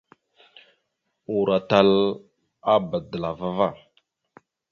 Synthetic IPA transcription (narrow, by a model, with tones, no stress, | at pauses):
u˨ɾa˨ta˦l | a˦bə˨də˨la˨va˦va˦˨